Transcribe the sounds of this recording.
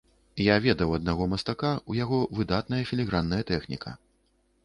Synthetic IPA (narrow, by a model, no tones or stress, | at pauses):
javʲɛd̪ɐwɐd̪̚naɣɔmɐst̪akaujaɣɔvɨd̪at̪̚nɐjɐfʲilʲiɣɾanːɐjɐt̪ɛxnʲḭkʰɐ̰